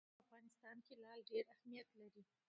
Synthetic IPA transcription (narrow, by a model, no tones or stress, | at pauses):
afɣɑnɪst̪ɑnkelɑlɖeɾahmijat̪laɾi